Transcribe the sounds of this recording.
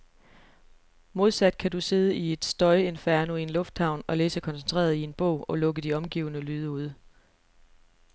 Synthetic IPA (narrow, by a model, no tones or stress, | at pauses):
mo̝ð̞ˠsæd̥̚kʰæd̥use̝ð̞ˠəie̝d̥sd̥ɒ̽ɪe̝nfæɐnoie̝nlɔ̽fd̥hɑ̈ʊ̰nɒ̽leːsəkʰɒ̽nsent͡sʰʁḛːɐð̞ˠie̝nb̥ɔ̰ʊ̰ɒ̽lɔ̽ɡ̥əd̥iɒ̽mɡ̥ḭːʊnəlyːðˠəuð̞̰ˠ